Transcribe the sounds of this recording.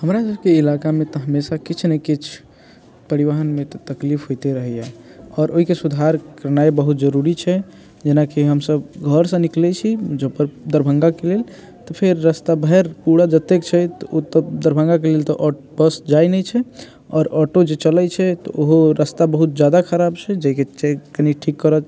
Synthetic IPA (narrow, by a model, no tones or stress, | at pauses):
ɦəmɾasəb̚keilakamet̪ɔɦəmesakit͡ʃʰnəjkit͡ʃʰ | pəɾiʋaɦənmet̪ɔt̪əklipʰɦojt̪eɾəɦɛjɛɔːɾoɦikesud̪ʱaɾkəɾnaebəɦut̪d͡ʒəɾuɾit͡ʃʰɛ | d͡ʒenakiɦəmsəbɡʱəɾsə̃niklɛt͡ʃʰid͡ʒəpəɾd̪əɾbʱə̃ŋɡakelel | t̪ɔpʰeɾːəst̪abʱɛɾpuɽad͡ʒət̪ekt͡ʃʰɛt̪ɔot̪əd̪əɾbʱə̃ŋɡakelelt̪ɔʔɔ | bəsd͡ʒajnɛt͡ʃʰɛ | ɔːɾɔʈod͡ʒet͡ʃəlɛt͡ʃʰɛt̪ɔʔoɦoɾəst̪abəɦut̪̚d͡ʒad̪akʰəɾabt͡ʃʰɛd͡ʒɛɦket͡ʃɛkəniʈʰikːəɾət͡ʃ